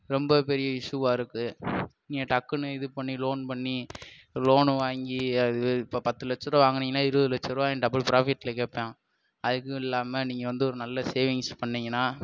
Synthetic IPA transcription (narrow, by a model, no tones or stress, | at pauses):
ɾɔmbɐpɛɾɪjɐɪʂuʋaːɪɾɯkːɯniːŋɡɐʈɐkːɯnɯɪðɯpɐɳːiloːnpɐɳːi | loːnʋaːŋɡiɐɯpːopɐt̪ːɯlɛt͡ʃːɐɾõʋaːŋɡɐnɪŋɡɐnaːɪɾɯʋðɯlɛt͡ʃːɐɾõaːɛnɖɐbɐlpɪɾaːfɪʈːɪlɐkeːpːẽː | ɐðɯkːɯ̃ɪlːaːmɐniːŋɡɐʋɐnd̪ɯɔɾɯnɐlːɐseːʋɪŋspɐɳːɪŋɡɐnaː